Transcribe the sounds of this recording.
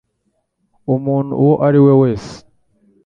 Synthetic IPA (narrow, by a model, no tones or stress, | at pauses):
omuːn̤ṵwoʔaɾiweweːse̥